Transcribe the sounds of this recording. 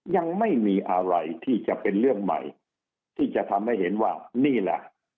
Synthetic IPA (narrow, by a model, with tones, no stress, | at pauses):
ja˧ŋma˥˩jmiː˧ʔa˧ɾa˧jt̪ʰiː˥˩t͡ɕa˨˩pe˧nɾɯ˥˩əŋma̰˨˩j | t̪ʰiː˥˩t͡ɕa˨˩t̪ʰa˧mha˥˩jɦe˩˦nwaː˥˩niː˥˩lɛ̰˨˩ʔ